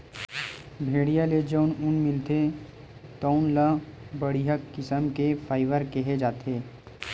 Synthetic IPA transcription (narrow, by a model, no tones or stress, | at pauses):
bʱeːɽijaled͡ʒəʊnʊnmɪlt̪e | t̪ɔʊnləbəɽiɦəkːɪsəmkepʰaːɪʋəɾkɛɦed͡ʒaːt̪eː